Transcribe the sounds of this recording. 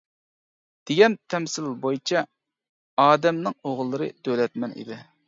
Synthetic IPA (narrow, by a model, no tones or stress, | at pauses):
d̪̥eɡʲɛnt̪ʰɛmsɪlbojt͡ʃʰɑ | ɑːd̪ɛmnɨŋoʁlˠːɨɾɨ̰d̪ølɛt̪mɛnḭd̪ɪ